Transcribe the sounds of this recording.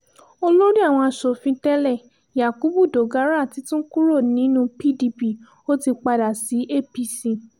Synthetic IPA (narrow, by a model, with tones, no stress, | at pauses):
o˧lo˦ɾi˦a˦˨w̃ɔ̃˧a˧˨ʃo˨fĩ˧tɛ˦lɛ˦˨ | ja˨ku˨˦bu˦˨do˨ɡa˨˦ɾa˦˨ti˨˦tũ˦ku˦ɾo˦˨nĩ˨˦nũ˧pi˦di˧pi˦˨ | o˦ti˧k͡pa˧da˨si˨˦ʔe˦˨pi˧si˧˨